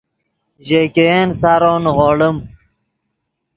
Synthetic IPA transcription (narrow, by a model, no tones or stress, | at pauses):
ʑeːkeensaɾoːnʁoːɽəm